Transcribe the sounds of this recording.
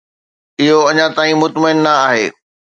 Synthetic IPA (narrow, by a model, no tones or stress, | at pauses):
ɪɦoɐɲãt̪aːĩmʊt̪məɪnːɐaːɦeː